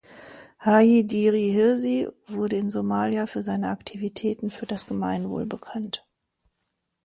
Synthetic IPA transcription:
haidiːʁihɪɐzivʊɐdəɪnzomaːljafyːɐzaɪnəʔaktʰivitʰɛːtn̩fyːɐdasɡ̥əmaɪnvo̰ːlbəkʰant

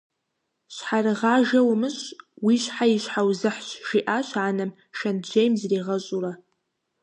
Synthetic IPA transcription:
ʃʷħarʁaʒawmɨʃʷwiʃʷħaiʃʷħawzɨħʃʒiʔaʃʷʰʕanam | ʃand͡ʒejmzriʁaɕʼura

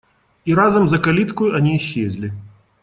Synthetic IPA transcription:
iɾazɐmzɐkalʲit̪kʊjuanʲiːɕːezʲlʲi

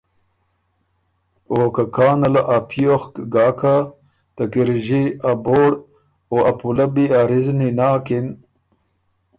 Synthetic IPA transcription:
oːkakaːnɐlaʔapʰijoxkɡaːkʰa | t̪ɐkiɾʑiaboːɽ | oɐpulɐbiaɾizninaːkin

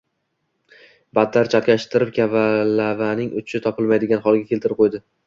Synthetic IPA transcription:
bad̪ːaɾt͡ʃʰat̪kʲaʃt̪ɪɾɪp̚kʲʰavalːavanɪŋʊt͡ʃʰɪt̪ʰɒpɪlmajd̪ɪɡʲanχɒlˠɡʲakʲʰelt̪ɪɾɪp̚qʰojd̪ɪ

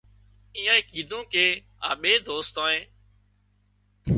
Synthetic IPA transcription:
ĩːãːeːkiːd̪ʱõːkeː | a̰ːɓeːd̪oːst̪ãːẽː

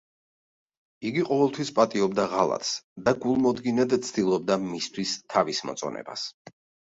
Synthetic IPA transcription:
iɡiqʼɔvɛlˠt̪ʰwispʼat̪ʼiɔbd̪aʁalˠa̰t̪ʰsd̪aɡulˠmɔd̪ɡinad̪t̪sʰd̪ilˠɔb̚d̪amist̪ʰwist̪ʰavismɔ̰t̪sʼɔ̰nɛ̰ba̰s

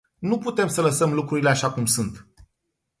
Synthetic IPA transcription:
nuput̪e̞msələsəmlukɾuɾileaʃakumsunt̪

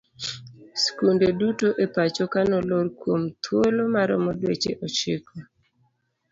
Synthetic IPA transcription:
skundedutoʔepat͡ʃɔkanɔlorkwomt̪ʰwolomaɾɔmɔdwet͡ʃḛʔɔt͡ʃɪkʰɔ

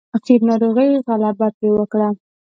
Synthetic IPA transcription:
aqid̪nɑɾoɣəjɣalabat̪̚ewəkɽa

